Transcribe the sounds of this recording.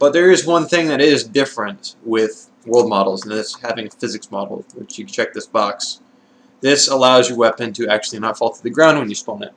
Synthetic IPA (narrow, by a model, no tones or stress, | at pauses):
b̥ʌt̪̚ðə˞ɪzwʌ̃nθɪ̃ŋðɨɾɪzdɪfɹɨ̃ntwɪð̥ | wɜ˞lˠd̚mɑɾl̩ˠzn̩ðɪshævɪ̃ŋɨfɪzɨksmɑ̰ɾl̩ˠwɪ̰t͡ʃjɨt͡ʃʰɛk̚ðɪsb̥ɑks | ðɪsəlaʊzjɨwɛpɨ̃ntʰɨæk̚t͡ʃʉl̩ˠinətfɔlˠtʰəðɨɡɹãʊ̃nd̚wɨ̃njɨspʌ̃nɨ̰t̚